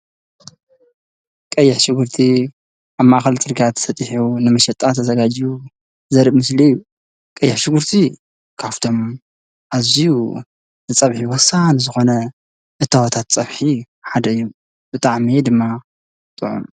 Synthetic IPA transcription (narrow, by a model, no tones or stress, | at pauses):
kʼɐjːɪħʃɪɡɨɾt̪ʰi | ʔaβmaʔaxɐlt͡sʼɨɾɡat̪ʰsɐt̪ʼiħunɨmɐʃɛt̪ʼat̪ʰɐzɐɡad͡ʒiju | zɐɾmɨsliɨjːu | kʼɐjːɪħʃɪɡuɾt̪ʰi | kʰaft̪ʰo̞m | ʔaziju | zɨt͡sʼɐβħiwɔsːanɨzɨxo̞nɐ | ʔɨt̪ʰːawot̪ʰat̪t͡sʼɐβħi | ħad̪ɐɨjːu | b̥ɨt̪ʼaʕmid̪ɨmːa | t̪ʼɨʕṵm